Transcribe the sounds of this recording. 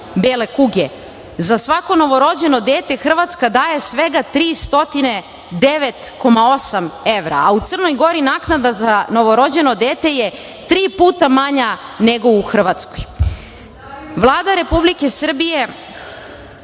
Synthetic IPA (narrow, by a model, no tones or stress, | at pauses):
beːle̞kuɡe | zasʋako̞no̞ʋo̞ɾo̞d͡ʑe̞nod̪eːt̪e̞xr̩ʋat̪skad̪aːje̞sʋe̞ɡat̪ɾiːst̪o̞t̪ine̞ | d̪eʋet̪ko̞mao̞same̞ʋɾa̰ːut̪sərno̞jɡo̞ɾinaːknad̪azano̞ʋo̞ɾo̞d͡ʑe̞nod̪eːt̪e̞je | t̪ɾiːpuːt̪amaɲane̞ɡo̞uxr̩ʋat̪skoj | ʋlˠaːd̪aɾe̞publike̞sr̩bije̞